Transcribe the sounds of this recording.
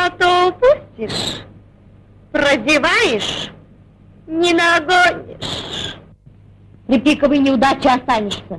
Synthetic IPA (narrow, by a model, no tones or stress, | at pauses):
at̪oʊpusʲtʲɪʂ | prəzʲɪvajɪʂ | nʲɪnɐɡonʲɪ̰ʂ | pɾʲɪpʲikəvɨjnʲɪʊd̪at͡ɕɪɐst̪anʲɪʂsʲə